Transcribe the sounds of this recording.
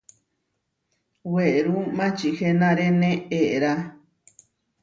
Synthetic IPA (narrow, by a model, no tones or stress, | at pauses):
weʔɾumãt͡ʃihenãɾenẽeʔɾa